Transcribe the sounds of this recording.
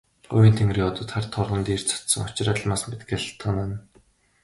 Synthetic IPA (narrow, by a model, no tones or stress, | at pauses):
ɢʊwʲiːnt̪ʰeŋriːɔt̪ɔ̆ːt̪χarʲt̪ʰɔrʁə̆nt̪iːr̥t͡sʰɔ̥t̪sɞ̆ŋʊt͡ɕraːɮmaːsmet̪ɡʲaɮʰt̪ə̆nan